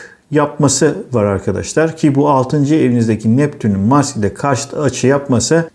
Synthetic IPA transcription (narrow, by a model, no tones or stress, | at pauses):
jap̚masɯvaɾaɾkʰad̪a̰ʃlˠaɾcʰibualˠt̪ʰɯnd͡ʒɯe̞vinizd̪ecʰinɛpt̪ʰynynmascd̪ʲɛkʰaɾʃt̪ˠat͡ʃʰɯjapmasɯ